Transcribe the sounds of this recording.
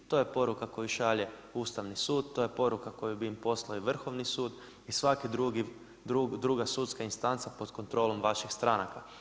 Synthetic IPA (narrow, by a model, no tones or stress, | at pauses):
t̪o̞je̞po̞ɾukakojuʃaʎe̞uːst̪aʋnisuːd̪̚t̪o̞je̞po̞ɾukako̞jubiimpo̞slaiʋr̩xo̞ʋnisuːd̪ | isʋakid̪ɾuɡi | d̪ɾud̪ɾuɡasut̪skainst̪ant̪sapo̞d̪ko̞nt̪ɾo̞ːlo̞mʋaʃixst̪ɾanaka